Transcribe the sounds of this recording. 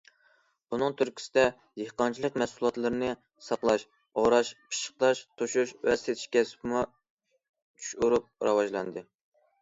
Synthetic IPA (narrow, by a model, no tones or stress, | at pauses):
bunɨŋt̪ʰyɾkʲʰi̥sɪd̪ɛ | jeqɑnt͡ʃʰilˠəqmɛsulˠɑt̪lˠɨɾɨnɨ | sɑqlˠɑʃ | oɾɑʃpʰɨ̥ʃə̥q̚t̪ɑʃt̪ʰoʃuʃwɛst̪et̪ʰi̥ʃkʲɛspʰmɑ | t͡ʃʰy̥ʃuɾup̚ɾɑwɑʒlˠɑ̰nd̪ɨ